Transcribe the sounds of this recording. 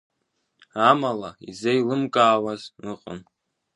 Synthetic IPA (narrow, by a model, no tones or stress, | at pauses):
amalaḭzejlɨmkʼaːwazɨqʼʊ̰n